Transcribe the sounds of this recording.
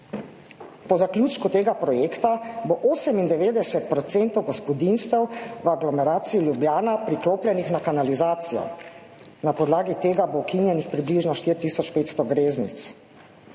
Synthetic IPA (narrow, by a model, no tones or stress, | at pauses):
pɔzakljuːt͡ʃkut̪eːɡapɾɔjeːkt̪aboʔoːsɛmind̪ɛʋeːd̪ɛsɛt̪̚pɾɔt̪sent̪ɔwɡɔspɔd̪inst̪ɛwʋaɡlɔmɛɾaːt̪siːljubjaːnapɾikloːplʲjɛnixnakanalizaːt̪sijɔ̰ | napɔd̪laːɡit̪eːɡabowkinjɛnixpɾibliʒnɔʃt̪iɾt̪iːsɔt͡ʃpeːt̪st̪ɔɡɾeːznḭt̪s